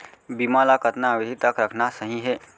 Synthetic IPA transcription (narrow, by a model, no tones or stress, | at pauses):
bimalakət̪naːʋed̪ʱit̪əkɾəkʰnasəɦĩɦe